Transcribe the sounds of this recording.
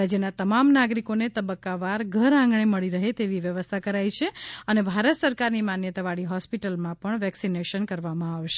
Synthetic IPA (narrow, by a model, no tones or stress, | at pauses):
ad͡ʒjənat̪əmamnaɡɾikonet̪əbəkːaʋaɾɡʱəɾãŋɡɳeməɭiɾəɦet̪eʋiʋjəʋəst̪ʰakəɾait͡ʃʰeənebʱaɾət̪səɾkaɾnimanjət̪aʋaɽiɦɔspiʈəlmãpəɳʋɛksineʃənkəɾʋamãaʋʃe